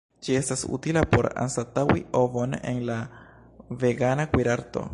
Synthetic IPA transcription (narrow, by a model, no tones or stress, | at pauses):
d͡ʒie̞stasṵtilapo̞ɾa̰nsatawiovo̞ne̞̰nla | ve̞ɡanakwiɾaɾto̞̰